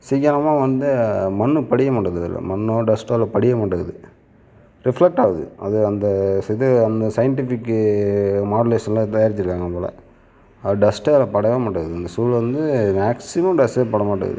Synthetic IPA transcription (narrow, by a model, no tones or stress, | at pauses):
siːɣɐnɐmaːʋɐnd̪ɯmɐnːɯpɐɽɪjɐmaːʈːɐðɯɪ̰lːɐ̰mɐɳːõːɖɐsʈɐːlɐpɐɽɪjɐmaːʈːɐɣɐðɯ | ɾɪflɛk̚ʈaːʋɐðɯ̰ɐðɯɐnd̪ɐsɪðɯɐnd̪ɐsɐjɐɳʈɪfɪkːɯmaːɽɐleːʂɐnlɐt̪ɐjaːɾɪt͡ʃːɪɾɯkːaːŋɡɐpoːlɐ̰ | ɐɖɐsʈɐlpɐɽɐʋɐmaːʈːɐɣɐðɯɐnd̪ɐsuːlʋɐnd̪ɯmaːksɪmɐmɖɐsʈepːɐɽɐmaːʈːɐ̰ɐ̰ðɯ̰